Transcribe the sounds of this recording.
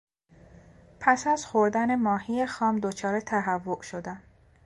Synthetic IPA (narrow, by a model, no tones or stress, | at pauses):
pʰæsæzxoɾd̪æne̞mɒːhijexɒːmd̪ot͡ʃʰɒːɾet̪ʰæɦævːoʔʃod̪æm